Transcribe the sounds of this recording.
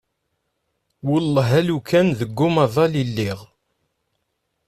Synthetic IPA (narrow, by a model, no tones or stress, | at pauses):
wʊlːɦælukʰænðəɡːʊmɑðˤɑlilːiʁ